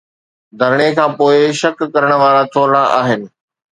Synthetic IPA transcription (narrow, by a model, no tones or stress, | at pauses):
d̪ʱɐɾɽ̃ekʰãːpoːɪʃɐkːɐɾəɽ̃ə̆ʋaːɽat̪ʰoːɾɽaʔaːɦɪnɪ̆